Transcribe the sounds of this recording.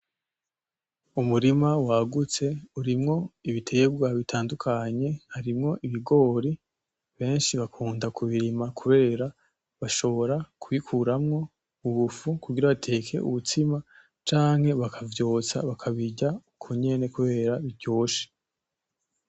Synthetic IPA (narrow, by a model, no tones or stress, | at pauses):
umuɾimawaɡut͡se̞uɾimŋo̞iβitʰe̞bɡwaβitʰaːndukʰaɲe̞haɾimŋo̞ʔiβiɡo̞ːɾi | βe̞ːnʃiβakʰuːndakuβiɾimakʰuβe̞ːɾa | βaʃo̞βo̞ɾakʰuβikʰuɾamŋo̞ | uβufukuɡiɾaβatʰe̞kʰe̞̰ʔṵβutima | t͡ʃaːŋhe̞βakʰavjo̞ːt͡sa̰βakʰaβiɟaukʰuɲe̞ne̞kuβe̞ːɾaβivɟo̞ːʃe̥